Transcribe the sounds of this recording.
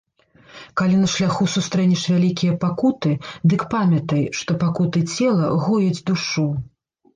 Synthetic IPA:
kalʲinɐʂlʲaxusust̪ɾɛnʲɛʂvʲalʲikʲijɐpakut̪ɨd̪ɨkpamʲɐt̪ɐjʂt̪ɔpakut̪ɨt͡sʲɛlˠɐɣɔjɐd͡zʲd̪uʂu

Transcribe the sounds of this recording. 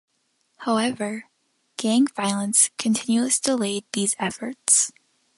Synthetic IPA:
haʊɛvə˞ | ɡ̥æ̃ŋvaɪlˠə̃nskʰɨ̃ntʰɪ̃njʉɨzd̥əleɪd̪̚ðizɛfə˞ts

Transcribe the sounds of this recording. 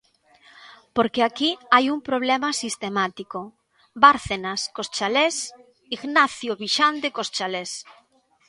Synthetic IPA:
poɾkeakiajuŋpɾoβ̞lɛmasist̪emat̪iko | baɾθenaskost͡ʃales | iɣnaθjoβiʃand̪ekost͡ʃales

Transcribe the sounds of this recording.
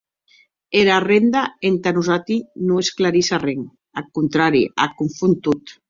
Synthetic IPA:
eɾarend̪aent̪anuzat̪inuesklaɾisareŋ | akunt̪ɾaɾia̰kuɱfunt̪ut̪

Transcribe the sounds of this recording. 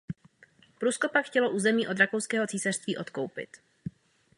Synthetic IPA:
pɾuːsko̞pakxcɛlo̞ʔuːzɛmiːʔod̪ɾakowskɛːɦo̞t͡siːsar̥st̪viːʔo̞t̪kowpɪ̰t̪

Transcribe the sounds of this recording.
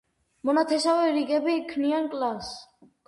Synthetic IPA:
mɔnat̪ʰɛsavɛɾiɡɛbikʰniankʼlas

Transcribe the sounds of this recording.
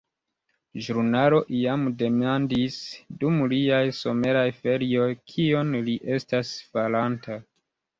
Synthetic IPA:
ʒɾunalo̞ʔiamde̞mandisdumliajso̞me̞ɾajfe̞ɾio̞jkʰio̞nliʔe̞stasfalantʰa

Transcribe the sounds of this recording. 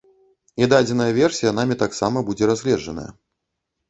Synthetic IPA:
id̪ad͡zʲɛnɐjɐvʲɛrsʲijɐnamʲɛt̪aksamɐbud͡zʲɛɾazʲlʲɛʐɐnə̰jɐ̰

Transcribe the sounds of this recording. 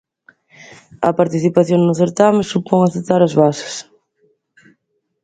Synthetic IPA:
ɐ̰paɾt̪iθipaθjoŋnʊθeɾt̪amɪsupɔŋaθet̪aɾazβasɪ̥s

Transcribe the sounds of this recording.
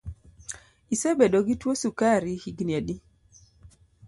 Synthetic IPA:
isebedoɡitwosukaɾihiɡniedi

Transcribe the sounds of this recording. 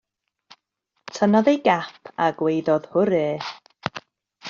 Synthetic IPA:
tʰənaðejɡapʰaɡwejðɔð̥hʊɾɛː

